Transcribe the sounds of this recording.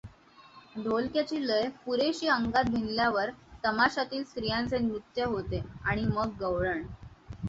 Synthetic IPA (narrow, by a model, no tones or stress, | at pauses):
d̪ʱolkjat͡ɕiːləjpuɾeɕiːəŋɡat̪̚bʱinljaʋəɾt̪əmaɕat̪iːlst̪ɾijãnt͡senɾut̪jəɦot̪eaɽ̃iməɡːəʋɭəɳ